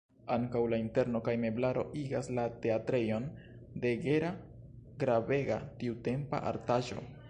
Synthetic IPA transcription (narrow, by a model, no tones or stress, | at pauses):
aŋkawlainte̞ɾno̞kajme̞blaɾo̞̰ʔiɡaslate̞atɾe̞jo̞n | de̞ɡe̞ɾa | ɡɾave̞ɡa̰tiute̞mpa̰ʔa̰ɾtaʒo̞̰